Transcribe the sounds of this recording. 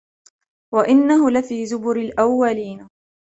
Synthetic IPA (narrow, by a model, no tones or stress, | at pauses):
waʔɪnːaɦʊlafiːzʊbʊɾɪlʔawːaliːn